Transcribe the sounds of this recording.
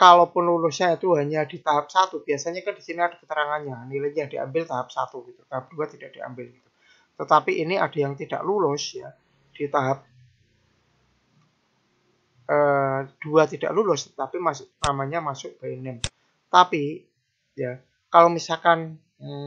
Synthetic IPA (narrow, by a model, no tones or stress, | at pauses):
kalopʊnlulʊsɲait̪uɦaɲad̥it̪aɦap̚sat̪ub̥iasaɲakandisiniad̥akə̥t̪əɾaŋanɲanilaɲadia̰mbɪlt̪aɦap̚sa̰t̪uɡ̥it̪u̥t̪aɦap̚d̥uat̪id̥aʔ̚d̥ia̰mbɪlɡit̪u̥ | t̪ət̪apiʔiniad̥ajaŋt̪id̥a̰ʔlulʊsja | d̥it̪aɦap̚ | ʔəːd̥uat̪ida̰ʔlulʊst̪ə̥t̪apimasʊknamaɲamasʊk̚b̥aɛnɛn | t̪api | ja | kalowmisalkan̩